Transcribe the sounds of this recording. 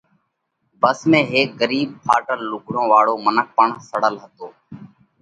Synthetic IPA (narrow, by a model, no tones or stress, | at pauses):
bəsmẽːɦeːk̚ɡəɾiːb̚pʰaːʈəlːʊɡʱɽõːʋaːɽoːmənək̚pəɳsəɽəlɦət̪oː